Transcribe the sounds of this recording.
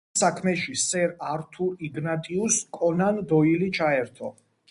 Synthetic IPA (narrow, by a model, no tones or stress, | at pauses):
sakʰmɛʃisɛɾaɾt̪ʰuɾiɡnat̪ʼiuskʼɔnand̪ɔilit͡ʃʰaɛɾt̪ʰɔ